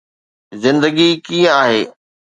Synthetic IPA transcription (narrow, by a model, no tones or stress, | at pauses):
zɪ̃nd̪əɡikiːə̃aːɦeː